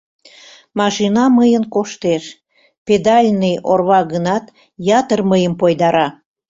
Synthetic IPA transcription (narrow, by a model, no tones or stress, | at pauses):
mɑʃinɑməjənkoʃt̪eʃ | ped̪ɑlʲnijorβɑɣənɑt̪ | jɑt̪ərməjəmpojd̪ɑɾɑ